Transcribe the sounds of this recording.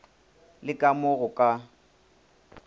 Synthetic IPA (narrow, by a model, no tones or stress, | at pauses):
lɪkʼamʊɣʊkʼa